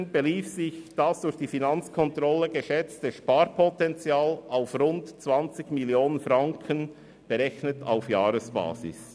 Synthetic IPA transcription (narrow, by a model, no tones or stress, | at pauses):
nb̥eliːfsɪçd̥asd̥ʊɾçd̥iːfinɑnt͡skʰɔntɾɔlːəɡəʃɛt͡stəʃpaːɾpʰɔtɛnt͡sjaːlʔaʊfrʊntt͡svɑnt͡sɪɡmiljoːnənfɾɑŋkʰən | b̥əɾɛçnəta̰ʊfjaːɾəsb̥a̰ːzɪ̰s